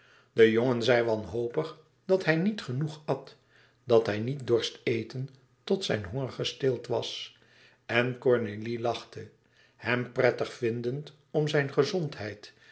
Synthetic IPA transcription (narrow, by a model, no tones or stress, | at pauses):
dəjoŋənzɛjʋɑnɦowpəχ | d̥ɑtɦɛjnitχənuχɑt | dɑtɦɛjnit̚dɔɹstejtən | tɔtsɛ̰jnɦɔŋəɹχəstɪlˠtʋɑs | ɛnkɔɹnelilɑχtə | hɛmprɛtəχfɪndənt | ɔmzɛjnχəzɔntɦɛjt